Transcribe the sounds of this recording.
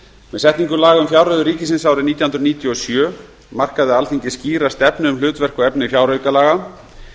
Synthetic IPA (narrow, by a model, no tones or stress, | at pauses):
mɛðsɛht̪niŋkʏlaːɣaʏmfjawɾœðʏɾiːcɪsɪnsawɾɪniːjawhnɾniːt̪jɔɔsjœː | mar̥kaðɪalθiɲcɪ̥sciːɾast̪ɛpnɪʏmlʏːt̪vɛr̥kɔɛpnɪfjawɾœɥkalaːɣa